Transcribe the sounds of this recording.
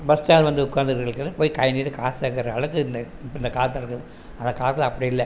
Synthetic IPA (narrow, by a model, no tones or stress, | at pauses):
bɐsʈaːlʋɐnd̪ɯʊkːaːnd̪ɯɾɣɐɭɯkːɐnɯpoːjikɐjɐniːʈːɯkaːseːkːɐɾɐɐɭɐkːɯɪnd̪ɐ | ɪnd̪ɐkaːt̪ːlɪɾɯkːɐðɯ | ɐnd̪ɐkaːt̪ːlɐpːɐɽiɪlːɛ